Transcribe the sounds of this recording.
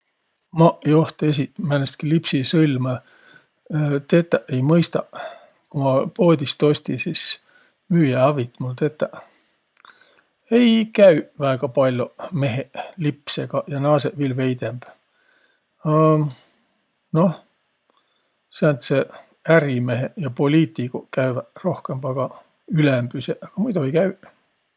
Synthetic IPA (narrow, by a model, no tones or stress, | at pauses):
mɑʔjoht̪es̬itmænest̪̚kilipsisɤlʲmɑ | t̪e̞t̪ːˑæʔe̞jmɤjst̪ɑ | kumɑpo̞ːd̪̥ʲist̪o̞sʲt̪isis | myːjeɑvit̪ːmult̪e̞t̪ːˑæʔ | e̞jkæyvæːɡ̥ɑpɑlʲjome̞ɦeʔlipseɡ̥ɑjɑnɑːseʔvilve̞jd̪e̞mb̥ | ɑ | no̞h | sænt̪se | æɾime̞ɦejɑpo̞lʲiːt̪ˑikokæyværo̞hke̞mb̥ɑɡ̥ɑ | ylembyseʔɑɡ̥ɑmujd̪uejkæy